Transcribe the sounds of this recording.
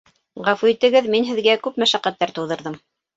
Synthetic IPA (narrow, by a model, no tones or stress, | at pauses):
ʁɑfuit̪ɘ̆ɡɘðminɦɘ̆ðɡækʉpmæʃæqæt̪ːæɾt̪ŭwðɤ̆ɾðɤm